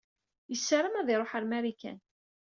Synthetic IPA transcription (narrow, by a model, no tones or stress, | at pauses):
jəsːaɾəmæðɪɾˤoħəɾmæɾikæ̰n